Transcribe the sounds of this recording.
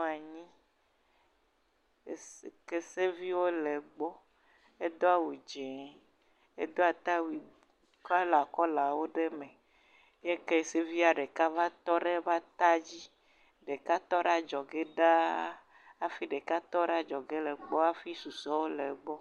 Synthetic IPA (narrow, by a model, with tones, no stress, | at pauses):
a˨ɲĩ˦ | se˨ke˦se˦vi˦wo˦le˨ɡ͡bɔ˦ | e˦d̪o˦a˦wu˨d͡ʒɛ˨ | e˦d̪o˦a˨t̪a˦wi˨ | ka˦la˨kɔ˦la˨wo˦ɖe˦mẽ˨ | je˦ke˦˨se˦vi˦a˨ɖe˨ka˦va˦t̪ɔ˦ɖe˦va˦t̪a˦d͡ʑi˦ | ɖe˨ka˦t̪ɔ˦ɖa˦d͡ʒɔ˨ɡe˦ɖa˦ | a˦fi˦ɖe˨ka˦t̪ɔ˦ɖa˦d͡ʒɔ˨ɡe˦lɛ˨ɡ͡bɔ˦a˦fi˦su˨sɔ˦wo˦le˨ɡ͡bɔ˦